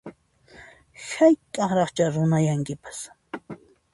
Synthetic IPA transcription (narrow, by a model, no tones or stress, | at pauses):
xajk̪ʼɑχɾɑχt͡ʃaɾʊnajaŋkɪpḁs